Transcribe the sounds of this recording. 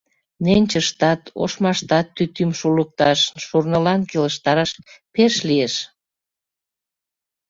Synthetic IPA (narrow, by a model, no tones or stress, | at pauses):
nenʲt͡ɕəʃt̪ɑt̪ʰo̰ʃmɑʃt̪ɑt̪ːyt̪ymʃulək̚t̪ɑʃːurnəlɑnkeləʃt̪ɑɾɑʃpeʃlieʃ